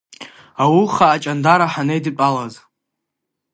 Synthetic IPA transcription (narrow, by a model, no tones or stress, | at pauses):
awuχaːt͡ʃʼandaɾaħanejdɨpʼalaz